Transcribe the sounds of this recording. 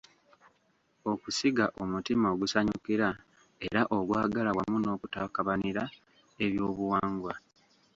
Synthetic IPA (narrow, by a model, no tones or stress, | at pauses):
o̞kusiɡaʔo̞mutimaoɡusaɲukiɾa | e̞̰ɾaʔo̞ɡwaːɡalawamuno̞ːkutakaβaniɾa | e̞βjo̞ːβuwaːŋɡwa